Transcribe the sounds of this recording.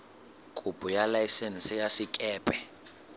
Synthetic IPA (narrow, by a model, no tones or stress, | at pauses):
kʼub̥ʱʼujalaisɛnsijasikʼɛːpʼɛ